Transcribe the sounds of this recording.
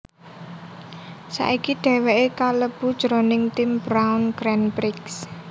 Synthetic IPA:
sa̰ʔikiɖ̪̥ɛ̤weʔekaləb̥ṳd̥ʒ̥ɾonɪŋt̪imbɾawnɡ̥ɾɛnpɾɪks

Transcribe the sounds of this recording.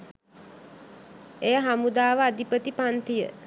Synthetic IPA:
ejaɦamud̪aːʋəad̪ipət̪ipant̪ijə

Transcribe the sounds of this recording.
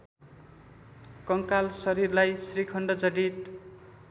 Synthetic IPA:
kʌŋkalsʌɾirlajsrikʰʌɳɖʌd͡zʌɽit̪

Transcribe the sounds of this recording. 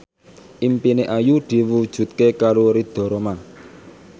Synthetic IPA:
ʔimpineʔajud̪̥i̤wud̥ʒ̥ṳt̪̚kekaɾoɾid̪̥ɔ̤ɾoma

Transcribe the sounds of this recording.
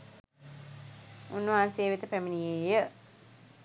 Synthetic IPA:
unːəʋaːnseːʋit̪əpæminijeːjə

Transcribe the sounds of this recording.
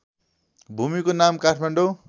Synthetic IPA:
bʱumikonamkaʈʰmaɳɖo

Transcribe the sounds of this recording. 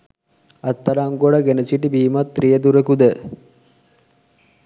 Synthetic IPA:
ɐt̪ːɐlaŋɡoɽəɡenəsiʈibiːmat̪ːrijəd̪uɾekud̪ə

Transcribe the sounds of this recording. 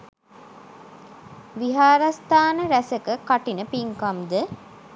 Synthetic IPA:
ʋiɦaːɾɐst̪aːnəɾæsəkəkaʈinəpiŋkɐmd̪ə

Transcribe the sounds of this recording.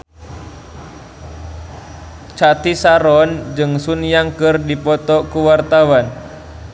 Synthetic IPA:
t͡ʃat̪isaɾɔnd͡ʒɨŋsunijaŋkɨrdipɔt̪ɔkuwart̪awan

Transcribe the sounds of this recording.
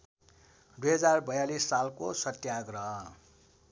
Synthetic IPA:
d̪ujɦʌd͡zarbʌjalisːalkosʌt̪jaɡrʌɦ

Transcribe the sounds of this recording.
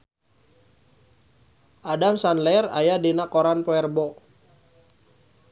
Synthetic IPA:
ʔadamsanlɛra̰jadinakoɾanpoɛrbɔ

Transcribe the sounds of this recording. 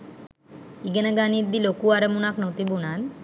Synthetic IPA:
iɡənaɡaniɾd̪ilokuaɾemunaknowt̪ibunan

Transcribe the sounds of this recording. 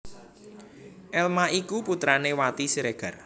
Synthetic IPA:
ʔɛlmaikuput̪ɾanewat̪isiɾeɡ̥a̤r

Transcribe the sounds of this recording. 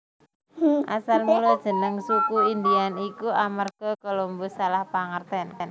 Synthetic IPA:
ʔa̰salmulod̥ʒ̥ə̤nəŋsukuind̪ianikuʔamərɡ̥əkolombɔsalahpaŋərt̪ɛnn

